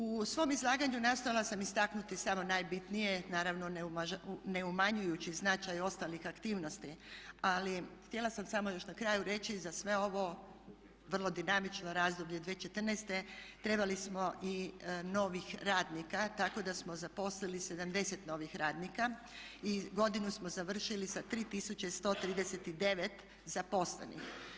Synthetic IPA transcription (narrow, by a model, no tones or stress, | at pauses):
usʋo̞ːmizlˠaːɡaɲunast̪o̞jalˠasamist̪aknut̪isamo̞najbit̪nije̞naːɾaʋnonene̞umaɲujut͡ɕiznat͡ʃajo̞st̪alixakt̪iːʋnost̪ialixt̪je̞lˠasamsamo̞jo̞ʃnakɾaːjuɾe̞t͡ʃizasʋe̞o̞ʋo̞ | ʋr̩lˠo̞d̪inamit͡ʃnoɾaːzd̪obʎe̞d̪ʋeːt͡ʃe̞t̪r̩nest̪e̞t̪ɾe̞balismo̞ʔino̞ːʋixɾaːd̪nikat̪ako̞d̪asmo̞zapo̞slilise̞d̪amd̪e̞se̞t̪no̞ːʋixɾaːd̪nika | iɡo̞d̪inusmozaʋr̩ʃilisat̪ɾiːt̪isut͡ɕest̪o̞ːt̪ɾiːd̪eset̪id̪e̞ʋe̞t̪ | zapo̞slḛnḭx